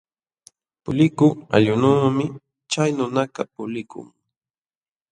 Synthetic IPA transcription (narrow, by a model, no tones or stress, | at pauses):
pʊlɪkʊa̰ʎʊnuːmɪ | t͡ʃajnʊnakɑpʊlɪkʊ̰ŋ